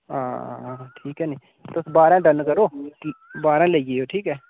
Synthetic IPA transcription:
a̰ːʈʰiːkɦɛːneː | t̪osbaːɾɛ̃ːɖənkəɾoːt̪iːbaːɾɛ̃ːləieːoːʈʰiːkɛː

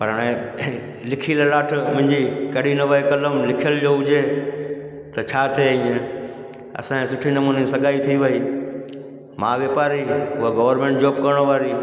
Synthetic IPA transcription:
pɐɾaɽ̃e | lɪkʰiləɾaːʈ̆ʰmʊ̃ɦɪ̃ɲd͡ʑikɐɗinɐʋəekɐləmlɪkʰijəld͡ʑoːʊd͡ʑe | t̪ɐt͡ɕʰaːt̪ʰieĩːẽ | ɐ̰sãẽsʊʈʰinɐmuːnisɐɠaːit̪ʰiʋɐiː | mãːʋjeːpaːɾiʊɦaɡɐʋəɾmẽːɳʈ̚d͡ʑoːb̚kɐɾɪɽ̃oʋaːɾiː

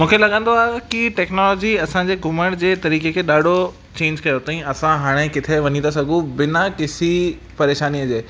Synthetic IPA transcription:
mũːkʰelɐɠãːn̆d̪oaːkiʈɛːknɔːlɔːd͡ʑiɐsãd͡ʑeːɡʱʊməɽ̃d͡ʑeːt̪ɐɾiːkekʰeːɗaːɖʱo | t͡ɕẽːɲd͡ʑkɐjot̪ɐĩɐsãɦaːɽ̃ekɪt̪ʰeʋɐɲĩd̪asɐɡʱũbɪnakɪsi | pɐɾeːʃaːnijəd͡ʑeː

